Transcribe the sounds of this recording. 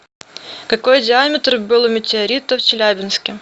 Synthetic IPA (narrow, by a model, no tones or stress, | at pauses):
kɐko̞jdʲɪamʲɪt̪rɨbɨlˠʊmʲɪtʲɪɐɾʲit̪əft͡ɕɪlʲæbʲɪnskʲɪ